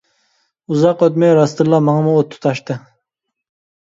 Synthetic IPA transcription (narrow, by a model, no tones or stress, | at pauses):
uzɑqøt̪mɛɾɑst̪ɨɾlˠɑmɑŋɑmuot̪ʰːu̥t̪ʰɑʃt̪ɨ